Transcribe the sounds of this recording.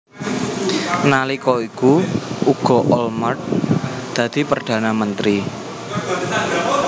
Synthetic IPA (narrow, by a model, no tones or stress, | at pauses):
nalikɔikuuɡ̥ɔ̤ʔɔlmart̪̚d̪̥ä̤d̪̥i̤pərd̪̥ä̤namənt̪ɾi